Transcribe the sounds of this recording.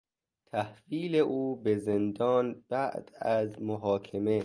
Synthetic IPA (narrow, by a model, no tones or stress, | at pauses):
t̪ʰæhviːleʔuːbezend̪ɒːnb̥æʔd̪̥æzmoɦɒːkʰeme